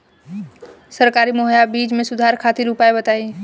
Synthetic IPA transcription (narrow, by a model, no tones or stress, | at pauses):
sɐɾkaːɾimoːɦjabiːd͡ʒmẽsʊd̪ʱaːɾkʰaːt̪iɾupaːebɐt̪aːi